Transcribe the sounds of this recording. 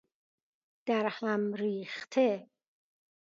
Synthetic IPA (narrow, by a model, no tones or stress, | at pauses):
d̪̥æɾhæmɾiːxt̪ʰe